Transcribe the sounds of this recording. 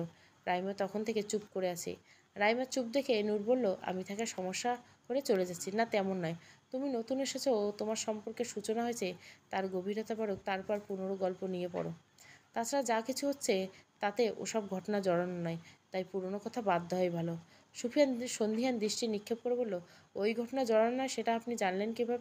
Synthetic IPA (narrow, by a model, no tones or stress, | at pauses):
o | ɾajmat̪ɔkʰont̪ʰeket͡ɕupkoɾeat͡ɕʰḛ | ɾajmat͡ɕup̚d̪ekʰeenuɾbolːoʔa̰mit̪ʰakaʃɔmoʃːa | koɾet͡ɕoled͡ʑatːɕʰinat̪ɛmonːɔjt̪uminot̪uneɾʃat͡ɕʰoot̪omaɾʃɔmpoɾkeʃut͡ɕonaɦoet͡ɕʰet̪aɾɡobʱiɾot̪abaɾok̚t̪aɾpɔɾpunoɾoɡɔlponijepɔ̰ɾo̰ | t̪at͡ɕʰaɾad͡ʑakit͡ɕʰuɦotːɕʰet̪at̪eʔo̰ʃɔb̚ɡʱɔʈonad͡ʑɔɽannɔejt̪ajpuɾonokɔt̪ʰabad̪ʱːaɦɔjbʱalo | ʃupʰijanʃond̪ʱiɦand̪ɾiʃʈinikʰːeb̚koɾebolːo | ojɡʱɔʈonad͡ʑɔɽanːɔeʃeʈaapnid͡ʑanlenkibʱabe